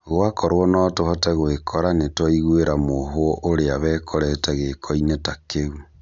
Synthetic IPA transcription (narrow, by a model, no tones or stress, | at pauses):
ɣoakɔɾwɔnɔtohɔtɛɣoekʰɔɾanetwɔiɣweɾamoɦoʔoɾeaβɛːkʰɔɾɛtɛɣekʰɔinetakeu